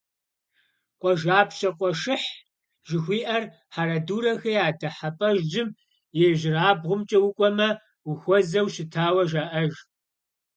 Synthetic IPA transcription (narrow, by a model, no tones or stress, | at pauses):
qʷʼɔʒaːpʰɕʼɐqʷʼɔʂɨħ | ʒ̥ɪxʷiːʔɐr | ħaɾɐduːɾɐxɐjaːdɐħapʼɐʒd͡ʒɪm | jɛʒɪraːbʁʷʊmt͡ʃʼɐwʊkʷʼɔmɐ | ʊxʷɔzɐwʃɪtʰaːwɐʒaːʔɐʒ